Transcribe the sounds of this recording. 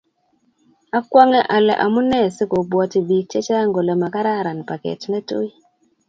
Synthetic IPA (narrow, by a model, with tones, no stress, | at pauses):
a˦kwa˦ŋɛ˦ʔa˨lɛ̰˨ʔa̰˨mu˦nɛ˦˨sɪ˦ko˨bwɔ˨ti˨bi˨t͡ʃɛ˦t͡ʃa˦ŋɡo˨lɛ˨ma˨ka˦ɾa˦˨ɾa˨npa˨kɛ̰˨tnɛ˦to̰˦i˦